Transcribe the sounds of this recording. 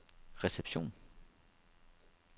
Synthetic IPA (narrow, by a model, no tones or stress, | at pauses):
ʁesɛpsjɔ̰̃